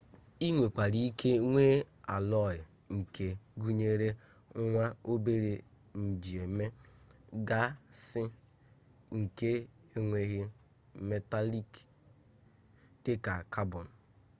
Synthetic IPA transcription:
i˦ŋʷe˨k͡pa˨ɾi˦i˦kʰe˦ŋʷe˦a˨lɔ˦˨jɪ˨ | ŋ̩˨kʰe˨ɡu˦ɲe˦ɾe˦ | ŋʷa˦o˦be˦ɾe˨ | n̩˨d͡ʒi˨e˨me˦ | ɡa˦sɪ˦ | ŋ̩˨ke˦e˦ŋʷe˦ɣe˦ | me˦ta˦li˦k | d̥ɪ˦ka˨ka˦bɔ˨n˨

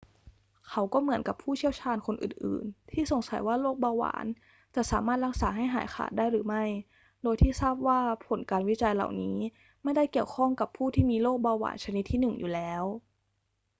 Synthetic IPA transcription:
kʰa˦˥wkɔː˥˩mɯ˩˦ənka˨˩pʰuː˥˩t͡ɕʰi˥˩əwt͡ɕʰaː˧nkʰo˧nʔɯ̰ː˨˩nʔɯ̰ː˨˩nt̪ʰiː˥˩so˨˩ŋsa˩˦jwaː˥˩loː˥˩k̚baː˧wa̰ː˩˦n | t͡ɕa˨˩ʔsaː˩˦maː˥˩t̪̚la˦˥k̚saː˩˦ɦa˥˩jɦaː˩˦jxʰa̰ː˨˩t̪̚daː˥˩jɾɯː˩˦ma˥˩j | doː˧jt̪ʰiː˥˩saː˥˩p̚waː˥˩pʰo˨˩˦nkaː˧nwi˦˥t͡ɕa˧jla̰˨˩wniː˦˥ | ma˥˩jda˥˩jki˨˩əwkʰɔ˥˩ŋka˨˩pʰuː˥˩t̪ʰiː˥˩miː˧loː˥˩k̚baː˧wa̰ː˩˦nt͡ɕʰa˧ni˦t̪ʰːiː˥˩nɯ˨˩ŋjuː˨˩lɛː˦˥w

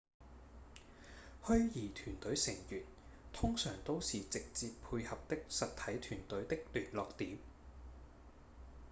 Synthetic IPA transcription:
hɵ˥ɥjiː˨˩t̪ʰyː˨˩nt̪ɵ˨˥ɥsɪ˨˩ŋjyː˨˩n | t̪ʰʊ˥ŋsœː˨˩ŋt̪o˥wsiː˨t͡sɪ˨k̚t͡siː˧ppʰuː˧jhɐ˨p̚t̪ɪ˥k̚sɐ˨t̚t̪ʰɐ˨˥jt̪ʰyː˨˩nt̪ɵ˨˥ɥt̪ɪ˥k̚lyː˨˩nlɔː˨k̚t̪iː˨˥m

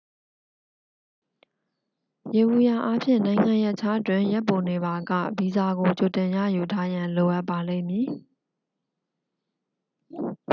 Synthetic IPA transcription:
je˨wu˨ja˨ʔa˦pʰjɪ̰̃˦˨nã˨ɪ̃ŋã˨jɛ˦ʔt͡ɕʰa˦ʔətwɪ̃˦˨jɛ˦pːo˨ne˨ba˨ɡä̰˦˨bi˨za˨ɡo˨t͡ɕo˨tɪ̃˨jä̰˦˨ju˨tʰa˦jã˨lo˨ʔa˦pːa˨lẽ˦˨mji˨

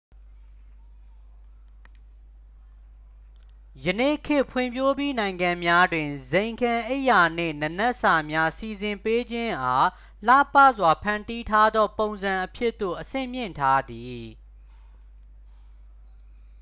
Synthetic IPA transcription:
jənḛ˦˨kʰɪ˦˨pʰwɪ̰̃˨mpʰjo˦bji˦nã˨ɪ̃ŋɡã˨mja˦dwɪ̃˨zẽ˨ɪ̃ŋkʰã˨ʔe˦ɪʔja˨nḛ˦˨nə˨nɛ˦ʔsa˨mja˦si˨zɪ̃˨mpe˦d͡ʑɪ̃˦ʔa˦ | l̥a̰˦˨pä˦˨zwa˨pʰã˨nti˦tʰa˦d̪ðɔ˦põ˨ʊ̃nzã˨ʔəpʰjɪ˦ʔt̪ːo̰˦˨ʔəsɪ̰̃˦˨m̥jɪ̰̃˦˨ntʰa˦d̪i˨

